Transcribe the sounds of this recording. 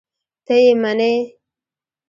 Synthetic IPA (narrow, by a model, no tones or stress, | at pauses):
t̪ejemane